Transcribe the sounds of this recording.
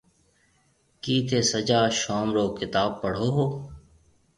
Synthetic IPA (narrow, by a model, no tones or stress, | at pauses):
kiːt̪ʰeːsəd͡ʒaːʃɔːmɾoːkɪt̪aːb̚pːəɽ̤oːɦoː